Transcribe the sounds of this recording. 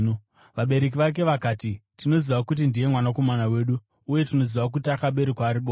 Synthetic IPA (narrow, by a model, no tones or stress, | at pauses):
ʋaɓe̞ɾe̞k̬iʋak̬e̞ʋakaːtitino̞ziʋakut̬indije̞mwanako̞manawe̞ːɗuː | je̞tino̞ziʋak̬utakaɓe̞ɾekwaːɾiɓoː